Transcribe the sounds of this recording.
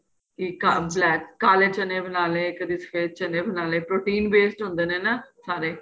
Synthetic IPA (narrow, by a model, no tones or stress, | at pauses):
kikablɛːkkaːleːt͡ʃənẽːbənaːleːkəd̪iːsə̥fʰeːd̪̚t͡ʃəneːbənaːleːpɾoːʈiːnbeːsʈɦʊ̃nd̪eːneːnasaːɾeː